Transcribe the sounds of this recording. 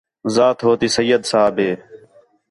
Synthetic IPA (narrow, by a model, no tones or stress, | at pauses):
zaːt̪ɦoːt̪iːsəjːəd̪saːbʱeː